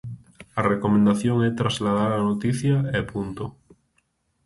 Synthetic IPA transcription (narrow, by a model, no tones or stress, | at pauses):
arekomẽnd̪aθjoŋɛt̪ɾazlaðaɾanot̪iθjaɛpunt̪o